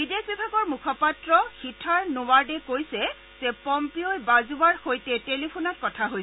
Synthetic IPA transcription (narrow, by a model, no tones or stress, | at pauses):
bidekbibʱaɡɔɹmukʰɔpatɹɔxitʰaɹnowaɹdɛkojsɛ | z̥ɛpɔmpiojbazuwaɹxojtɛtelipʰunɔt̚kɔtʰaɦojs